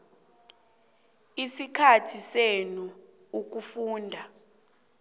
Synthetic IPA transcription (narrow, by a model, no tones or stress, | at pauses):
isikʰatʰisenu | uk̬ufuːndʱa